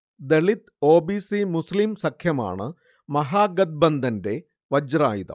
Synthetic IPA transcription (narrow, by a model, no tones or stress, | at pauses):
d̪eɭit̪ | o̞ːbiːsimuslimsɐkʰjɐma̰ːɳɨ | mɐɦaːɡɐd̪̚bɐnd̪ʱɐnde̞ | ʋɐd͡ʑra̰ːjiðɐ̰m